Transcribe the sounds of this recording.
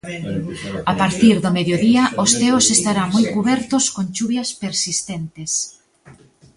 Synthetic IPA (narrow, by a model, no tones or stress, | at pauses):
apaɾt̪iɾðʊmeðjoðiɐʔʊst̪eʊsest̪aɾaŋmojkuβɛɾt̪ʊskont͡ʃuβjɐspeɾsist̪ent̪ɪs